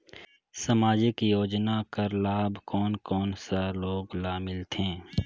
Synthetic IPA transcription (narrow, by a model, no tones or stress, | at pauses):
sɐmaːd͡ʒɪkjoːd͡ʒnakɐɾlaːbkɔːnkɔːnsaloːɡlaːmɪlt̪ʰẽː